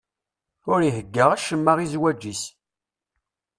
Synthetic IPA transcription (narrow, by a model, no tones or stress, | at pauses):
ʊɾiɦəɡːəʁæʃəmːaʁizwæd͡ʒːis